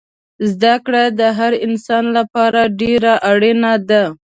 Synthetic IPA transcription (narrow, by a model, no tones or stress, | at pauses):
zd̪akɽad̪əɦaɾɪnsɑnlapɑɾaɖeɾaʔaɽenad̪a